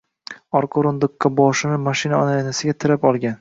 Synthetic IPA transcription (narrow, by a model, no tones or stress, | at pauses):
ɒɾqʰoɾond̪ʊkʰːɑbɒʃɪnɪmaʃɪnaɒnajanasɪɡʲat̪ʰɪɾapɒlˠɡʲan